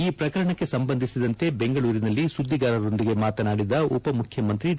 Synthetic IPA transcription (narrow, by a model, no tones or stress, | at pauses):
iːpɾɐkɐɾɐɳɐkːe̞sɐmbɐnd̪ʱisid̪ɐnt̪e̞be̞ŋɡɐɭuːɾinɐlːisud̪ʱːiɡaːɾɐɾo̞nd̪iɡe̞maːt̪ɐnaːɽid̪ɐupɐmukʰjɐmɐnt̪ɾi